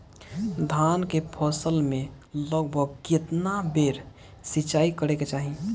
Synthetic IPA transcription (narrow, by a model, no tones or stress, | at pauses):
d̪ʱankepʰɔːsəlmẽ | ləɡ̚bʱəɡket̪nabeːɾ | sit͡ʃaːikəɾeket͡ʃaːɦi